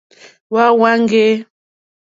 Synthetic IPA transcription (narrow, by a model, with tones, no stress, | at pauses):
wa˦wa˦ŋɡe˦